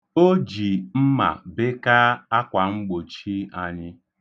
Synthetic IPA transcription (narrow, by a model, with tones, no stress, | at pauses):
o˦d͡ʒi˨m̩˦ma̰˨be˦ka˦a˦kʷa˨ŋ͡m̩˦ɡ͡bo˨t͡ʃi˦a˦ɲɪ˦